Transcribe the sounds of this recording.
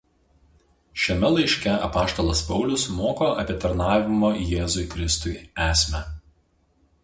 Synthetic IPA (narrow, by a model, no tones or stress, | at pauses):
ʃʲɛmʲɛlˠɐɪʃʲkʲɛɐ̰pɑːʃt̪oːlˠɐspɒʊlʲʊsmoːkoːɐ̰pʲiɛt̪ɐɾnɑːʋʲɪmoːjeːzʊɪkɾʲɪst̪ʊɪæːsʲmʲɛ